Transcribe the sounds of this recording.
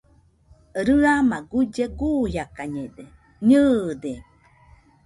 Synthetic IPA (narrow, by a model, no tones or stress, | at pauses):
ɾɨamaɡud͡ʒeɡujakaɲede | ɲɯd̪e